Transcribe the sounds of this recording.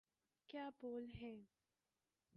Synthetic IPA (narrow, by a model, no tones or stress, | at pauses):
kjaːboːlɦɛ̃ː